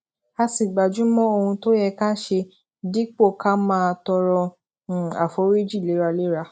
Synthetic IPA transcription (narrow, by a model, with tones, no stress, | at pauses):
a˧si˨ɡ͡ba˨d͡ʒũ˨˦mɔ̃˦o˧hũ˧to˦jɛ˧ka˦ʃe˧ | di˦k͡po˦˨ka˦mãː˦˧tɔ˧ɾɔ̃˧˨ | a̰˨fo˨˦ɾi˦d͡ʒi˦˨le˨˦ɾa˧le˦ɾa˧